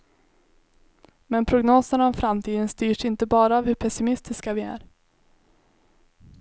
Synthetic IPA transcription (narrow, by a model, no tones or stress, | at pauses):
mɛnpʰɾʊɡnoːsənaɔmfɾamt̪ʰiːd̪ənst̪yːʂɪnt̪əbɑːɾaːvhɵɾpʰɛsɪmɪst̪ɪskavɪæ̰ːɾ